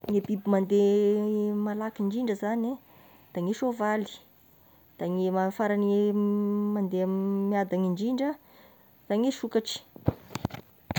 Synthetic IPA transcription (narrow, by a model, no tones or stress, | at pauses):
ŋebibimand̪e | malakiɳɖ͡ʐiɳɖ͡ʐəzani | d̪̥aŋeʃovali̥ | d̪̥aŋemafaɾane | mand̪emiad̪aŋiɳɖ͡ʐiɳɖ͡ʐə | d̪̥aŋeʃukaʈ͡ʂi̥